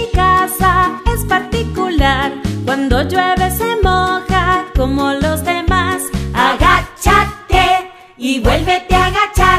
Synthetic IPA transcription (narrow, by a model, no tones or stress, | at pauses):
ikasae̞spaɾt̪ikulaɾkwand̪o̞ʝweβesemokako̞mo̞lo̞zðemasaɣat͡ʃat̪e | iβwelβet̪eaɣat͡ʃa